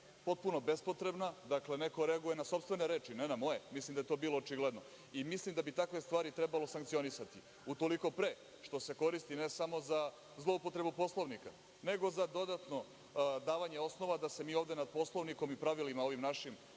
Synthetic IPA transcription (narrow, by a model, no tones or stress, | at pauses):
po̞t̪̚puno̞be̞spo̞t̪ɾe̞bnad̪akle̞neko̞ɾeaɡuje̞naso̞pst̪ʋe̞ne̞ɾe̞ːt͡ʃinenamo̞jemislˠimd̪aje̞t̪o̞ːbiːlˠo̞ːt͡ʃiɡled̪no̞ | imislimd̪abit̪akʋe̞st̪ʋaːɾit̪ɾebalo̞saŋkt̪sio̞nisat̪i | ut̪o̞liko̞pɾe̞ | ʃt̪o̞se̞ko̞ɾist̪inesamo̞za | zlˠo̞upot̪ɾe̞bupo̞slˠoʋnika̰ | ne̞ɡo̞zad̪o̞d̪at̪no̞ | d̪aːʋaɲeo̞sno̞ʋad̪ase̞miːovd̪e̞nad̪̚po̞slˠoʋniko̞mipɾaʋilimao̞ʋimnaʃim